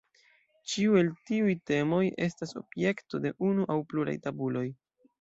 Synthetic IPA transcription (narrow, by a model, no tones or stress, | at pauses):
t͡ʃiue̞ltiujte̞mo̞je̞̰staso̞̰bje̞kto̞de̞ʔunuʔawpluɾa̰jtabulo̞j